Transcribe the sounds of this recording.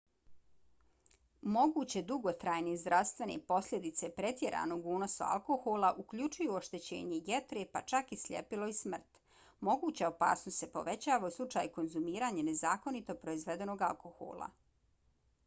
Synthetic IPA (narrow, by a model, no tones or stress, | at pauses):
mo̞ɡuːt͡ɕe̞d̪uɡo̞t̪ɾaːjnezd̪ɾʔaʋst̪ʋe̞nḛpo̞sʎʲed̪it̪se̞pɾe̞t̪ʲje̞ɾʔa̰ːno̞ːɡuːno̞sa̰a̰lko̞xolˠaʔukʎut͡ʃujuoʃt̪e̞t͡ɕe̞̰ːɲe̞jet̪ɾepat͡ʃakisʎʲḛpilo̞ismr̩t̪ | mo̞ɡuːt͡ɕaopa̰ːsnost̪se̞po̞̰ʋet͡ɕaːʋauslˠut͡ʂaːjko̞nzumiːɾaɲene̞zaːko̞nit̪o̞pɾo̞izʋe̞d̪e̞no̞ːɡalˠko̞xo̰ːlˠa̰